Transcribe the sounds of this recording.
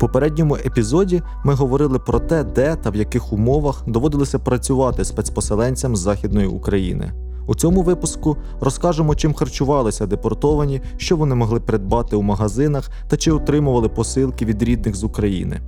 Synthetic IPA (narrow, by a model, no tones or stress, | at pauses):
pɔpeɾɛdʲnʲɔmʊʔepʲizɔdʲi | mɪɦɔʋɔɾɪlˠɪpɾɔt̪ɛd̪ɛt̪ɐwjɐkɪxʊmɔʋɐxd̪ɔʋɔd̪ɪlˠɪsʲɐpɾɐt͡sʲʊʋɑt̪ɪspɛsʲpɔselˠɛnʲt͡sʲɐmzːɑxʲid̪̚nɔjiukɾɐjḭnɪ̰ | ut͡sʲɔmʊʋɪpʊskʊ | ɾɔskɑʒemɔt͡ʃɪmxɐrt͡ʃʊʋɑlˠɪsʲɐd̪epɔrt̪ɔʋɐnʲi | ʃt͡ʃɔʋɔnɪmɔɦlˠɪpeɾed̪̚bɑt̪ɪwmɐɦɐzɪnɐx | t̪ɐt͡ʃɪɔt̪ɾɪmʊʋɐlˠɪpɔsɪlˠkɪʋʲid̪ɾʲid̪nɪxzʊkɾɐjḭnɪ̰